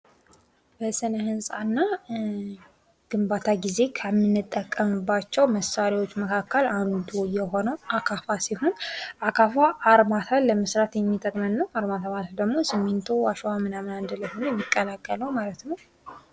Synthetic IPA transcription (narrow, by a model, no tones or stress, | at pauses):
bəsɨnəhɨnsʼanːa | ɡ̥ɨmbat̪ʰaɡize̞kʰəmːɨnːɨt̪ʼːəkʼːəmɨbːat͡ʃːɛwməsaɾiwot͡ʃːməkʰakːəland̪ujɛɦo̞nəwʔakʰafasiho̞nʔakʰafaʔːɾmat̪ʰaləməsɾat̪jɛmːit̪ʼəkʼmənːəwaɾmat̪ʰamalət̪d̪əɡmo̞sɨmːent̪ʰowaʃwamɨnamnand̪ɨləhonəjɛmːikʼːəlakʼːələwmalət̪nəw